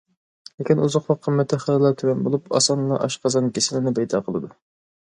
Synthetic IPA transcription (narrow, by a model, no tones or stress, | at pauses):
lɪkʲinuzʊqwɑqʰːəmːɛt̪ʰːɪχællˠɑt̪ʰywɛnbolˠupɑ̰sɑnlˠɑʔɑʃqʰɑzɑnkʲesɪlɪnɪbɛjd̪ɑ̰ːqʰəlˠɨd̪u